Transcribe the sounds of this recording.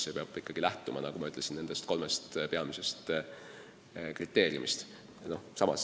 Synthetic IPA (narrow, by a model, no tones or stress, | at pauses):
sepeɑb̥ikːɑɡ̥ilæht̪ˑumʔɑ̰nɑɡ̥umɑyt̪ˑle̞sinne̞nd̪e̞st̪̚ko̞lmest̪pe̞ɑmise̞st̪ | krit̪ːˑe̞ːɾjṵmist̪ | no̞hsɑmɑ̰s